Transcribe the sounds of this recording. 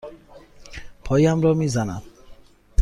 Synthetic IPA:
pʰɔjamɾɔmizana̰d̪

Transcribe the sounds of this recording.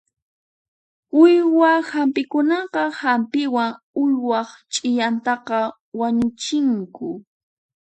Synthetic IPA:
ʊjwahampɪkʊnɑqɑhampɪwaŋ | ʊjwɑχt͡ʃʼɪʎant̪ɑqɑ | waɲʊt͡ʃɪŋkʊ

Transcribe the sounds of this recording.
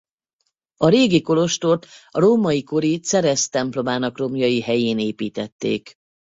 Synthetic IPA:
ɒɾeːɡiko̞lo̞ʃt̪ot̪roːmɒjiko̞ɾit̪sɛɾɛst̪ɛmplo̞maːnɒkro̞mjɒjiɦɛjeːneːpiːt̪ɛt̪ːḛːk

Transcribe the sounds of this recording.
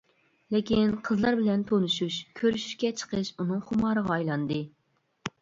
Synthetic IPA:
lɪkʲinqʰəzlˠɑɾbɪlɛnt̪ʰonuʃuʃkʲʰøɾyʃy̥ʃkʲɛt͡ʃʰə̥qʰəʃunɨŋχʊmɑːɾəʁɑːjlˠɑnd̪ɨ

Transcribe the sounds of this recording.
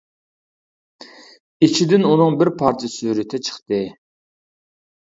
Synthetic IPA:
it͡ʃʰid̪ɪnunɨŋbɪɾpʰɑɾt͡ʃʰɛsyɾɪt̪ʰɪt͡ʃʰə̥χt̪ɨ

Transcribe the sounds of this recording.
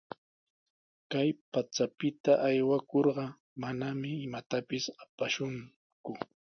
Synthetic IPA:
kajpat͡sapɪt̪aʔajwakoɾɢɑ | manamɪːmat̪apɪsapaʃʊŋ | kʊ

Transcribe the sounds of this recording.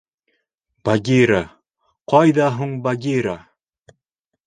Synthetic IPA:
b̥aɡʲiɾa | qɑjðɑɦuɴbaɡʲiɾa

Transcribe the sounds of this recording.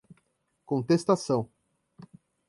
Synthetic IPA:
kõnt̪est̪asɐ̃w̃

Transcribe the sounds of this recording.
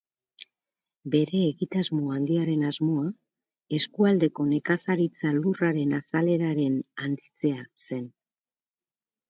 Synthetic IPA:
be̞ɾe̞ːɣit̪azmoand̪iaɾe̞nazmo̞a | e̞skuald̪e̞ko̞ne̞kasaɾit͡saluraɾe̞nasale̞ɾaɾe̞nant͡sit͡se̞ase̞n

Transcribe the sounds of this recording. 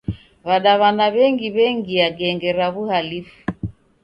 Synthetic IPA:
βaɗaβanaβɛŋɡiβɛŋɡiaɡɛŋɡɛɾaβuhalifu̥

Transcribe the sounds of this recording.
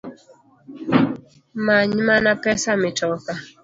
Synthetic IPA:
maɲmanapɛsamɪtɔka

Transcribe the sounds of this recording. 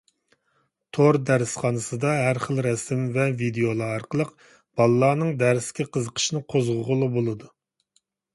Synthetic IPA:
t̪ʰoɾd̪æɾɪsχɑnɨsɨd̪ɑɦæɾχəlˠɾɛsɪmvɛvid̪eolˠɑɑɾqəlˠəq | b̥ɑlˠɨlˠɑːnɨŋd̪æɾɪskʲiqʰəzəqʰə̥ʃnɨqʰozʁʊʁʊlˠɑbolˠɨd̪u

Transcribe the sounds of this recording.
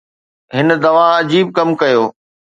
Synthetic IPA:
ɦɪn̆d̪ɐʋaɐd͡ʑiːb̚kɐmkɐjoː

